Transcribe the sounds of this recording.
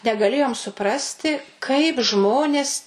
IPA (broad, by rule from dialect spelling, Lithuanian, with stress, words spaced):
nʲɛɡɐˈlʲeːjoːm sʊˈprɑːsʲtʲɪ kɐɪp ˈʒmoːnʲeːs